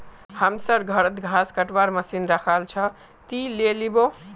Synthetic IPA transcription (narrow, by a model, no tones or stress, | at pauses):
hamsʌɾɡʱʌɾət̪ɡʱaskəʈwaɾməsinɾakʰalt͡ʃʰʌ | t̪ilelibo